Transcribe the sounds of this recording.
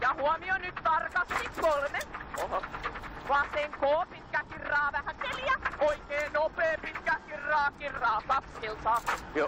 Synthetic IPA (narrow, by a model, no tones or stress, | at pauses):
jɑhuɔmionyt̪t̪ɑrkɑst̪ikolmeoh | ʋɑːseŋkoːpit̪kækirːɑːʋæhækeljæoikeːnopeːpit̪kækirːɑːkirːɑːkɑksilsɑːo